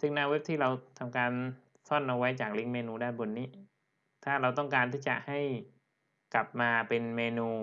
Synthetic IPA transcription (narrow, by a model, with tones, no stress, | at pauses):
t̪ʰɯ˦˥na˧˥we˦˥p̚t̪ʰiː˥˩ɾa˧wt̪ʰa˧mkaː˧n | sɔ˥˩nʔa˧wa˦˥jt͡ɕaː˨˩k̚li˦˥ŋmeː˧nuː˧daː˥˩jbo˨˩n̚niː˦˥˩ | t̪ʰaː˥˩ɾa˧wt̪ɔ˥˩ŋkaː˧nt̪ʰiː˥˩t͡ɕa̰˨˩ʔha˥˩j | kla˨˩p̚maː˧pe˧nmeː˧nuː˧